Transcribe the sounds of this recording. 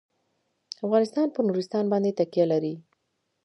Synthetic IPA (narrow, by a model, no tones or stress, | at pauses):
afɣɑnɪst̪ɑnpənuɾɪst̪ɑnbɑnd̪et̪akijalaɾi